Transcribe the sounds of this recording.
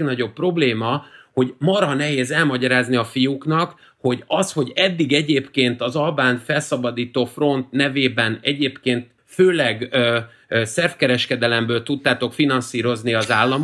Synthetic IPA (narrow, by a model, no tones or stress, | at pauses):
ɡnɒɟo̞pːro̞bleːmɒho̞ɟmɒɾɒnɛɦeːzɛlmɒɟɒɾaːzniɒfijukn̪ɒk | ho̞ɟɒsho̞ɟɛd̪ːiɡɛɟeːpkeːnt̪ɒzɒlbaːnfɛlsɒbɒd̪iːt̪oːfro̞nt̪nɛveːbɛnɛɟeːpkeːnt̪̚ | føːlɛɡø | sɛrfkɛɾɛʃkɛd̪ɛlɛmbøːlt̪ut̪ːaːt̪o̞kfinɒnsiːɾo̞zniɒzaːlːɒm